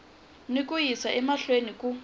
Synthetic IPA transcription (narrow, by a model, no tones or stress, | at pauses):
nikʼujisaʔɛmaɬwenikʼu